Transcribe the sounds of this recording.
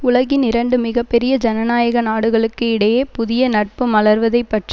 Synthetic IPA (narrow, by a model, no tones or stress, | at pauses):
ʊɭɐɣɪnɪɾɐɳɖɯmɪɣɐpːɛɾɪjɐd͡ʒɐnɐnaːjɐɣɐnaːɽɯɣɐɭɯkːɯɪɽɐjeːpʊðɪjɐnɐʈ̚pɯmɐɭɐɾʋɐðɐɪpːɐʈri